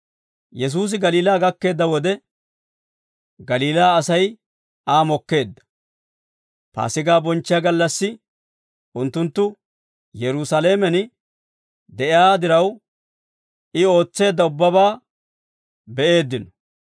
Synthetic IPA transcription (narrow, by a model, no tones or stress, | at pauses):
jɛs̬uːs̬ɪɡɐliːlaːɡɐkːe̞ːd̪ːɐwɔd̪ɛ | ɡɐliːlaːɐsɐj | aːmɔkːe̞ːd̪ːɐ̥ | pa̰ːsɪɡaːbɔnt͡ʃːɪjaɡɐlːɐsːɪ | ʊnt̪ːʊnt̪ːʊ | jɛɾʊsɐle̞ːmɛn | d̪ɛʔɪaːd̪ɪɾɐw | ɪo̞ːt͡sːe̞ːd̪ːɐʊbːɐβaː | bɛʔe̞ːd̪ːɪnɔ̥